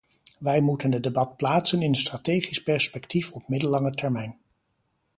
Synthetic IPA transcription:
ʋɛjmutəndədebɑt̚plaːtsənɪnənstratejχispɛɹspɛktifɔp̚mɪdəlːɑŋətɛɹmɛjn

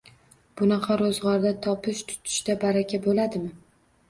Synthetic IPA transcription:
b̥ʊnɑqʰɑɾozʁɒɾd̪at̪ʰɒpʰɪʃt̪ʰʊ̥t̪ʰɪ̥ʃt̪abaɾakʲʰabolad̪ɪmɪ

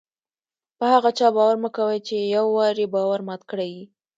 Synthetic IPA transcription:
pəhaɣat͡ʃɑbɑwaɾməkawəjt͡ʃejawːɑɾibɑwaɾmɑt̪kɽaji

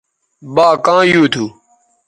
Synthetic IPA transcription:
ɓaːkãːjuːt̪ʰuː

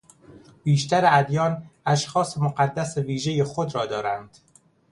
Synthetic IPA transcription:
b̥iːʃt̪æɾeæd̪jɒːnæʃxɒːsemoɢæd̪ːæseviːʒe̞jexod̪ɾɒːd̪ɒːɾænd̪̥

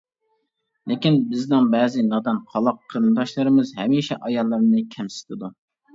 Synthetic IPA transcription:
lʔɪkʲinbɪznɪŋbɛːzɪnɑd̪ɑnqʰɑlˠɑqʰːəɾɨnɨd̪ɑʃlˠɨɾɨmɨzɦɛmiʃɛ̰ʔɑjɑlˠːɨɾmnɨkʲʰɛmsɪ̥t̪ʰɪd̪u

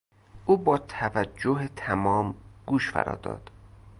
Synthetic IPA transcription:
ʔuːbɒːt̪ʰævæd͡ʒd͡ʒːoɦet̪ʰæmɒːmɡ̥uːʃfæ̰ɾɒ̰ːd̪ɒ̰ːd̪̥

